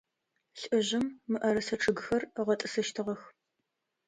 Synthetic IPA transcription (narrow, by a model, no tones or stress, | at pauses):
ɬʼɨʑɪmːɨʔɐɾɐsɐʈ͡ʂʰɨɡɨxɐrəʁɐtʼɨsɐʃtʰɨʁɐx